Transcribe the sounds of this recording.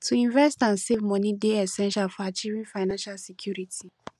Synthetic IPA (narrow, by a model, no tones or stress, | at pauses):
tʰuĩnvɛstãnsevmɔ̃nĩdeɛsɛ̃nʃalfɔat͡ʃiɹĩfaɪnãnʃalsɛkʰjuɾitʰi